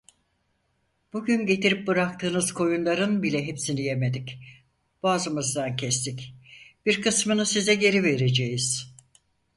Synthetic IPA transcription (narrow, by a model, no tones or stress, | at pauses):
b̥uɟynɟe̞t̪iɾip̚bɯɾak̚t̪ʰɯːnɯz̥kʰo̞junlˠaɾɯnbilʲɛɦepsinije̞me̞d̪ic | b̥aːzɯmɯzd̪ancʰɛst̪ʰicb̥iɾkɯsmɯnɯsizɛɟe̞ɾive̞ɾe̞d͡ʒejiz̥